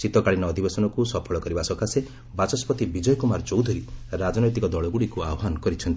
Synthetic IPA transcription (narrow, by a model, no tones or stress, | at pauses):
t͡ʃit̪ɔkaɭinɔːd̪ʱibesɔnɔkusɔpʰɔɭɔkɔɾibasɔkase | bat͡ʃɔspɔt̪ibid͡ʒɔjɔkumaɾɔt͡ʃowd̪ʱɔɾiɾad͡ʒɔnɔjt̪ikɔd̪ɔɭɔɡuɽikuabɔɦanɔkɔɾit͡ʃʰɔnt̪i